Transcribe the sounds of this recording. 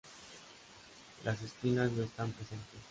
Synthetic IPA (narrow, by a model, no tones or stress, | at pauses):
lʔas̬e̞skinaznaest̪ampɾe̞se̞nt̪es